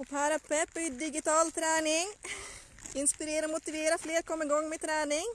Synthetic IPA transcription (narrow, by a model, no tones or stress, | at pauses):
ɔpʰaɾapɛpːd̪ɪɡɪt̪ɑːlt̪ʰɾæːnɪŋ | ɪnspɪɾeːɾəɾomʊt̪ɪʋeːɾafleːɾkʰɔmːɪɡɔŋːmet̪ʰɾɛːnɪŋ